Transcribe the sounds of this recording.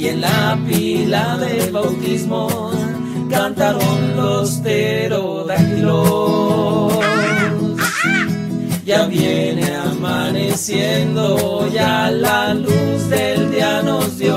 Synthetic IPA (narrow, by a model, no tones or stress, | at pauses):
e̞nlapilaðe̞βawt̪izmo̞ | kant̪aɾonlost̪eɾo | ðakɾo | s | ʝaβjeneamanesjend̪oʝalaluzðe̞ld̪jaɣnost̪jo